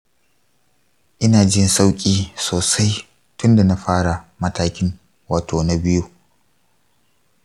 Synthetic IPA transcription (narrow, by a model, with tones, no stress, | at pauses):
ʔɪ˦naː˨d͡ʒɪ˦nsa˦wkʲʼiː˦soː˨sa˦j | tʊ˦nda˨na˦ɸaː˦ɽa˨mɐ˦taː˦kʲɪ˦ŋ | waː˨tʰoː˨na˦bɪ˦ju˦